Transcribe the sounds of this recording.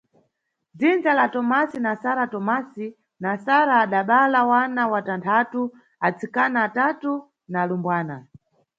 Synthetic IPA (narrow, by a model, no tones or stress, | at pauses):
d͡zind͡ʒalatɔmasinasaɾatɔmasi | nasaɾaːɗaɓalawanawatantʰatu | at͡sikanaːtatu | naːlumbwaːna